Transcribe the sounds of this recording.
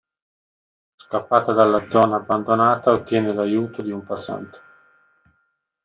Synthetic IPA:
skapːaːt̪ad̪alːad̪zɔːnaːbːand̪onaːt̪aot̪ːjɛːnelajuːt̪od̪iumpasːa̰nt̪e̥

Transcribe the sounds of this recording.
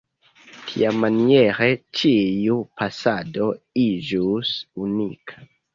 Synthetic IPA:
tʰḭamanie̞ɾet͡ʃiupasado̞ | id͡ʒusunikʰḁ

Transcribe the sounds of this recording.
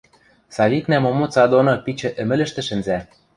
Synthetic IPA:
sɑβiknæmomot͡sɑd̪onŏpit͡ɕɘ̆ʔɘ̆mɘ̆lɘ̆ʃt̪ɘ̆ʃɘ̆nzæ

